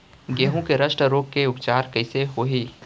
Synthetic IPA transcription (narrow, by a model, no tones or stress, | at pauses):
ɡeːɦõkeɾɐʃʈəɾoːkkeʊpt͡ʃaːɾkɐɪseɦoːɦiː